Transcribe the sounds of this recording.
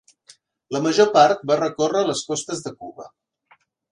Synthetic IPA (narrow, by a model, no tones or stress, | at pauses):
ləməʒopaɾt̪̚barəkorələskɔst̪əzðəkuβə̰